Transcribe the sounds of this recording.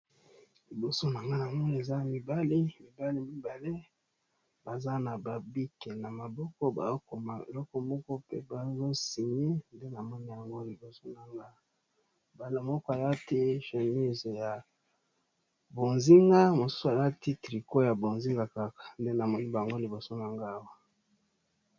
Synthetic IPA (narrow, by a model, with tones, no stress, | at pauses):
li˨bo˨so˦na˨ŋɡa˦na˨mɔ˦ni˦˨e˨za˦mi˨ba˦li˦mi˨ba˦li˦mi˦ba˨le˦ | ba˨za˦na˨ba˨bi˦ke˨na˨ma˨bɔ˦kɔ˦ba̰˨˦ko˨ma˨ḛ˨lɔ˦kɔ˦mɔ˦kɔ˦pe˦ba˨˦zo˦si˨ɲe˦nde˦na˨mɔ˦ni˦ja˨ŋɡo˦li˨bo˨so˦na˨ŋɡa˦˨ | ba˨le˦mɔ˦kɔ˦a˨za˦ti˦ʃe˨mi˦ze˨ja˨ | bo˨nzi˦ŋɡa˦mo˨su̥˦su˦a˨za˦ti˦tʁi˨ko˦ja˨bo˨nzi˦ŋɡa˨ka˦kḁ˨nde˦na˨mɔ˦ni˦ba˨ŋɡo˦li˨bo˨so˦na˨ŋɡa˦˨wa˦